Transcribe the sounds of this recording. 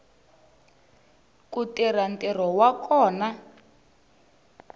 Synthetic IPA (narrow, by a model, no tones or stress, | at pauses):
kutiɾantʼɛrɔwakɔːna